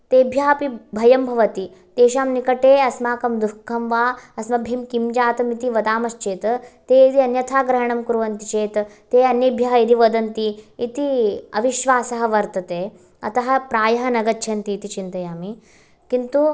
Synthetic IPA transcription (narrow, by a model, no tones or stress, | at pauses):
t̪eːbʱjɐɦɐpibʱɐjɐmbʱɐʋɐt̪i | t̪eːʃaːmnikɐʈeːɐsmaːkɐmd̪ukʰːɐmʋaɐsmɐbʱimkimd͡ʒaːt̪ɐmit̪iʋɐd̪aːmɐst͡ʃeːt̪t̪eid̪iɐnjɐt̪ʰaːɡɾɐɦɐɳɐmkuɾʋɐnt̪it͡ʃeːt̪ | t̪eːɐnjɐbʱjɐɦɐid̪iʋɐd̪ɐnt̪iːt̪iɐʋiʃʋaːsɐɦɐ̆ʋɐɾt̪ɐt̪eː | ɐt̪ɐɦɐpɾaːjɐɦɐnɐɡɐtːt͡ʃʰɐnt̪iːt̪it͡ʃint̪ɐjaːmi | kint̪u